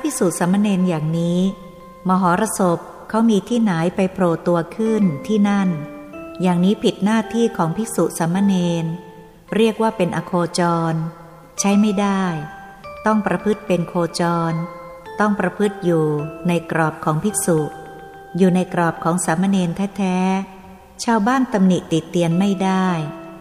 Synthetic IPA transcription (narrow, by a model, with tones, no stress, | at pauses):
a˥pʰi˦˥suː˨˩t̪̚sa˩˦mːa˧neː˧njaː˨˩ŋniː˦˥ | mɔː˧˦ɦɔː˩˦ɾa˧so˨˩p̚ | kʰːa˦˥wmiː˧t̪ʰiː˥˩naː˩˦jpa˧jpʰɾoː˨˩t̪u˧ɐkʰɯ˥˩nt̪ʰiː˥˩na˥˩njaː˨˩ŋniː˦˥pʰi˨˩t̪̚naː˥˩t̪ʰiː˥˩kʰɔː˩˦ŋpʰi˦˥su˨˩ʔsa˩˦mːa˧neː˧n | ɾi˥˩ək̚waː˥˩pe˧nʔaː˧kʰoː˧t͡ɕɔː˧n | t͡ɕʰa˦˥jma˥˩jdaː˥˩j | t̪ɔ˥˩ŋpɾa˧pʰɯ˦˥˩t̪̚pe˧nkʰoː˧t͡ɕɔː˧n | t̪ɔ˥˩ŋpɾa˧pʰɯ˦˥˩t̪̚juː˨˩na˧jkɾɔː˨˩p̚kʰɔː˩˦ŋpʰi˦˥t̚su˨˩ʔ | juː˨˩na˧jkɾɔː˨˩p̚kʰɔː˩˦ŋsaː˩˦mːa˧neː˧nt̪ʰɛː˦˥t̪ʰɛː˦˥ | t͡ɕʰaː˧wbaː˥˩nt̪a˧mni˨˩t̪i˨˩t̪ːi˧ənma˥˩jdaː˥˩j